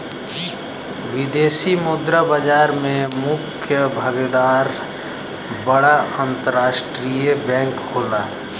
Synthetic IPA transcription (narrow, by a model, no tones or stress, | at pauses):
wɪd̪eːsimʊd̪ɾabəd͡ʒaːɾmẽmʊkʰjəbʱəɡed̪aːɾ | bəɽaʔə̃nt̪əɾaːʃʈɾijəbɛ̃ːŋkɦoːlaː